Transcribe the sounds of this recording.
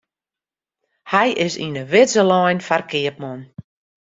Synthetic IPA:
hɛjʔɪsḭnəʋɪzəlɔjnfarkɪəp̚mɔn

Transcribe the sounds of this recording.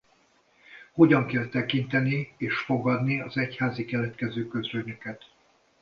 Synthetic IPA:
ho̞ɟɒŋkɛlt̪ɛkint̪ɛnieːʃfo̞ɡɒd̪niɒzɛchaːzikɛlɛt̪kɛzøːkø̞zɾøɲø̞kɛt̪

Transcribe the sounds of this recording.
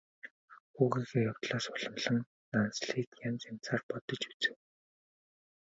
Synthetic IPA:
xuːɣiːɣeːjawt̪ɮaːsɔɮə̆mɮə̆nː | ansɮiːt̪jamt͡sam̥t͡saːrpɔt̪ɞ̆t͡ɕu̥t͡sɘ̥̆w

